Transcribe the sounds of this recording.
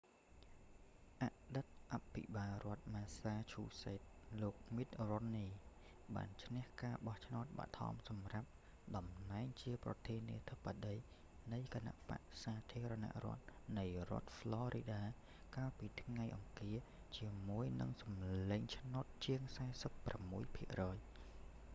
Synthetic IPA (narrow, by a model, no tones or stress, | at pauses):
ʔaʔɗɨt̪̚ʔapʰːiɓaːlrŏət̪̚maːsaːt͡ɕʰuːseːt̪̚loːk̚mit̪̚ronːiː | ɓa̰ːnt͡ɕʰnɛ̆əhkaːɓɑht͡ɕʰnaʊt̪̚ɓa̰ʔt̪ʰɑ̰msɑmrap̚ | ɗɑmnaɛŋt͡ɕiəprɑ̰t̪ʰiənḭət̪ʰəpːaɗəj | nɨjkana̰ʔpa̰ʔsaːt̪ʰiəɾana̰ʔrŏ̰ət̪̚nɨjrŏət̪̚flɔːɾʔiɗaː | kaːlpiːt̪ʰŋajʔɑŋkiə | t͡ɕiəmuəjnɨ̰ŋsɑmleːɲt͡ɕʰnot̪̚t͡ɕiəŋsaɛsəpːramːuəjpʰiəʔrɔːj